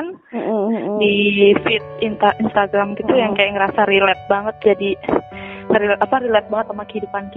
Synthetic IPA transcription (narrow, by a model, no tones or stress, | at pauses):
n | difit̪̚int̪aʔinst̪aɡɾamk̪it̪ujaŋkajakŋəɾasaɾilɛt̪̚baŋət̪̚d͡ʒadi | ɾilapaɾilɛt̪̚baŋət̪amakəhidupanki